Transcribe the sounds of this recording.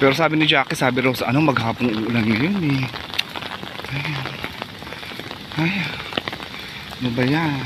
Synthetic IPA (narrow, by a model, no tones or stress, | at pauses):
pɛːɾos̬aːbɪnɪd͡ʒaːkɪsaːbɪɾawsɐʔɐnomɐɡ̚haːponʊʔʊlɐnŋɐjonɛ | ʔaj | ʔaj | mɐbɐja